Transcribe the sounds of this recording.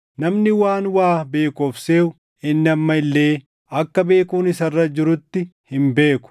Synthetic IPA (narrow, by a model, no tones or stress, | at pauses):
nɐmnɪwaːnwaːbe̞ːkɔfseːʊ | ɪnːɪɐmːɐɪlːe̞ː | ɐkːɐbe̞ːkuːnɪsɐrːɐd͡ʒɪɾʊt̪ːɪhɪmbe̞ːkʊ̥